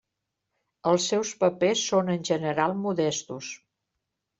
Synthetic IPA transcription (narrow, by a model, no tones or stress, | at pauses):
əlˠsːɛwspəpesːonənʲʒənəɾalˠmuðɛst̪us